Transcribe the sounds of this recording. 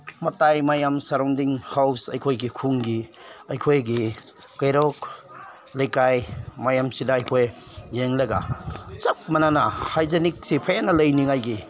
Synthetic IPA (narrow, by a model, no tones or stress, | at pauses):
mɐtajmajamsaɾawndiŋhawsɐjkʰojɡikʰuŋɡiɐjkʰojɡi | kajɾɔk | lejkajmajamsidaːjkʰojzeŋlɐɡa̰t͡ʃɐk̚mananahajzenik̚sipʰajanɐlɐjniŋajɡi